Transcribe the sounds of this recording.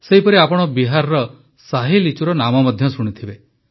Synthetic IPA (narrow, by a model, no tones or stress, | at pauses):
seɦipɔɾiapɔɽ̃ɔbiɦaɾɾɔ | saɦilit͡ʃuɾɔnamɔmɔd̪ʱjɔsuɽ̃ut̪ʰibe